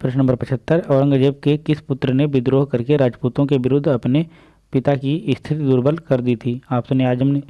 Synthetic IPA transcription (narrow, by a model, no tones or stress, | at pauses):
pɾɪʃnəmbəɾpɐt͡ʃʰət̪ːəɾɐːɾə̃ŋɡəd͡ʒeːb̚kekɪspʊt̪ɾənebɪd̪ɾoːɦkɐɾkeɾaːd͡ʒpuːt̪õkeʋɪɾʊd̪ʱːɐpne | pɪt̪akiɪst̪ʰɪt̪id̪ʊːɾbəlkɐɾd̪iːt̪ʰiːaːpsõneaːd͡ʒəmne